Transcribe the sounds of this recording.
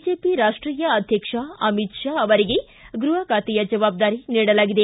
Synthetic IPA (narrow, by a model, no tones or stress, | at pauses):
d͡ʒepiɾaːʂʈɾiːjɐɐd̪ʱjɐkʂaɐmit̪ʂaːɐʋɐɾiɡe | ɡɾuɦɐkaːt̪ijɐd͡ʒɐʋaːb̚d̪aːɾiniːɽɐlaːɡid̪e